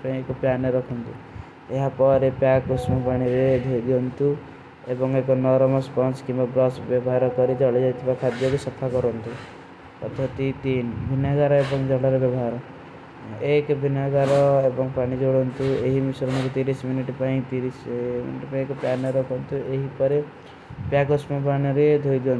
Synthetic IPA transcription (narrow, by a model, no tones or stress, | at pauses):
paĩekupjanɔɾɔkʰɔnt̪u | eɦapɔɾepjakusmɔpaɽ̃iɾed̪ʱod̪iɔnt̪u | ebɔŋekɔnɔɾɔmɔspɔnskimbabɾɔsbjɔbɔɦaɾɔkɔɾid͡ʒɔɭed͡ʒajt̪ʰibakʰad̪jɔkusɔp̪ʰakɔɾɔnt̪u | ɔ̰t̪ɔt̪it̪inbʱinaɡaɾɔebɔŋd͡ʒɔlɔɾebɔbɔɦaɾɔ | ekbʱinaɡaɾɔebɔŋpaɽ̃id͡ʒoɽɔnt̪ueɦimisɔɾɔnɔkut̪iɾisminiʈpaĩt̪iɾismḭniʈpaĩekɔpjanɔɾɔkʰɔnt̪ueɦipɔɾe | pjakusmɔp̬aɽ̃iɾed̪ʱojd̪iɔnt̪